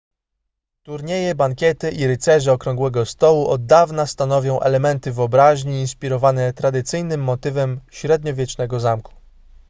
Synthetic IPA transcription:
t̪uɾɲejɛbaŋkʲjɛt̪ɘʔiɾɘt̪sɛʐɛɔkɾɔŋɡwɛɡɔst̪ɔwuʔɔd̪ːavnast̪anɔvʲjɔ̃w̃ʔɛ̰lɛmɛnt̪ɘvɘɔbɾaʑɲiːnspʲiɾɔvanɛt̪ɾad̪ɘt̪sɘjnɘmːɔt̪ɘvɛmɕɾɛd̪ɲɔvʲjɛt͡ʂnɛɡɔzamku̥

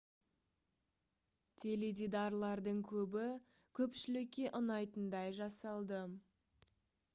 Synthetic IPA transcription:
t̪ʰeled̪id̪ɑɾlˠɑɾd̪əɴkʲʰɵbɪ | kʲʰɵpʃɪlɪkʲːe̞ʔʊnɑjt̪ənd̪ɑjʒɑsɑlˠd̪ə

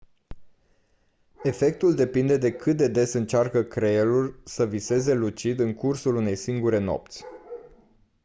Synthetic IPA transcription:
e̞fe̞k̚t̪uld̪e̞pind̪e̞d̪e̞kɨt̪̚d̪e̞d̪e̞sɨnt͡ʃarkəkɾe̞lurʲsəvise̞ze̞lut͡ʃid̪ɨŋkursulune̞jsiŋɡuɾe̞no̞̰p̚t̪sʲ

